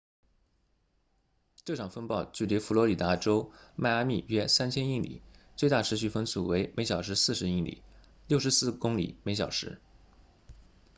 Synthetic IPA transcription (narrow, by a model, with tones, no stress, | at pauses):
ʈ͡ʂɤ˥˩ʈ͡ʂʰɑ˨˩ŋfə˥npɑ˥˧ʊt͡ɕy˥˩li˧˥fu˧˥lwɔ˧˥li˨˩t̪a˧˥ʈ͡ʂo˥ʊma˥˧ɪa˥mi˥˩ɥɛ˥sa˥nt͡ɕʰjɛ˥ni˥˩ŋlḭ˨˩˦t͡swe˥˧ɪt̪a˥˩ʈ͡ʂʰɻ̩˧˥ɕ̬y˥˩fə˥nsu˥˩we˧˥ɪme˧˥ɪɕjɑ˨˩ʊʂɻ̩˧˥sɹ̩˥˩ʂɻ̩˧˥i˥˩lḭ˨˩˦ | ljo˥˩ʊʂ̬ɻ̩˧˥sɹ̩˥˩kʊ˥ŋlḭ˨˩˦me˧˥ɪɕ̬jɑ˨˩ʊʂɻ̩˧˥